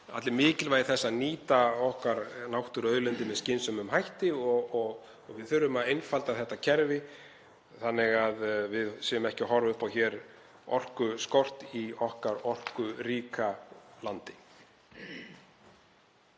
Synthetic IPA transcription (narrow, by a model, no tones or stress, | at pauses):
a̰t̪lɪɾmɪːcɪlvaːjðɪθɛsːaðniːt̪aɔhkaɾnawht̪ʏɾœːðlʏnt̪ɪmɛðscɪnsʏmʏmɦajht̪ɪɔɣɔɣ | ɔɣvɪðθʏɾːʏmaðejnfalt̪aðθɛht̪ːacʰɛɾvɪ | θanːɪɣaðvɪðsiːjʏmɛhcɪɦɔɾvʏhpawçɛːɾ | ɔr̥kʏskɔr̥t̪iɔhkaɾɔr̥kʏɾiːkalant̪ɪ̥